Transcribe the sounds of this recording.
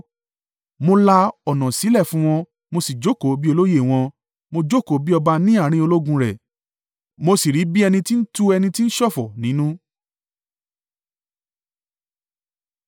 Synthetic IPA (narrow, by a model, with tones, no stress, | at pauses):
mo˧la˧ɔ˨nã˨si˨˦lɛ˦˨fũ˨˦w̃ɔ̃˧ | mo˧si˨d͡ʒo˦ko˨˦bi˦o˧lo˦je˦˨w̃ɔ̃˧ | mo˧d͡ʒo˦ko˨˦bi˦ɔ˧ba˧nĩ˦a˦˨ɾ̃ĩ˧˦o˧lo˦ɡũ˧ɾɛ˨ | mo˧si˨ɾi˨˦bi˦ɛ˧nĩ˧ti˦n̩˦tu˦ɛ˧nĩ˧ti˦n̩˦ʃɔ˦˨fɔ˨nĩ˨˦nũ˦